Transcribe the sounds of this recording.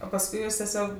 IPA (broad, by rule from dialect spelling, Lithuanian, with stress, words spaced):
oː pɐsˈkʊɪ ˈjuːs tʲɛˈsʲoːk